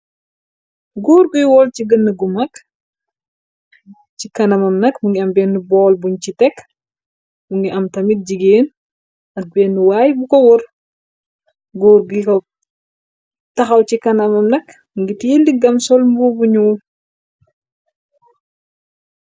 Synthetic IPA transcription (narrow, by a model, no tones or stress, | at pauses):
ɡoːɾɡujwɔlciɡənːəɡumɐk | cikɐnɐmɐmnɐkmuŋɡiɐmbɛnːubɔːlbuɲcitɛk | muŋɡiʔɐmtɐmit̚ɟiɡeːn | ɐk̚bɛːnːuwajbukɔwɔɾ | ɡoːɾɡujkɔ | tɐxɐwt͡ʃikɐnɐmɐmnɐk | muŋɡitildiɡɐmsɔlmbubuɲuw